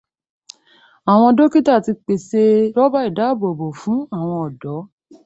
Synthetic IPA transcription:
a˨w̃ɔ̃˧do˦ki˦ta˦˨ti˧k͡pe˨se˧ɾɔ˦ba˦i˦˨da˨˦˨bo˨bo˨fũ˨˦a˦˨w̃ɔ̃˧ɔ˨dɔ˨˦

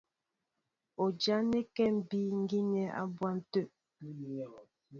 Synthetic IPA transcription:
o˨d͡ʒa˦ne˦kɛ˦˨m̩˨bi˦ŋ̩˦ɡi˦nɛ˨a̰˦bwa˦n̩˨tø˦˨

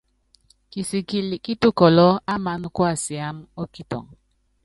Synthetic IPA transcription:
ki˨si˨ki˦li˨ki˦tu˦kɔ˨lɔ˦a˦ma˦n˦kwa˦˨si˨a˦mo˦ki˦tɔ̰˨ŋ

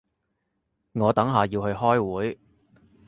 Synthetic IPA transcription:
ŋɔː˨˧t̪ɐ˨˥ŋɦaː˨˩jiː˧whɵ˧ɥhɔː˥jwuː˨˥j

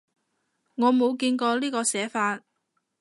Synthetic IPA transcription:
ŋɔː˨˧mo˨˧wkiː˧nkɔː˧liː˥kɔː˧sɛː˨˥faː˧t̚

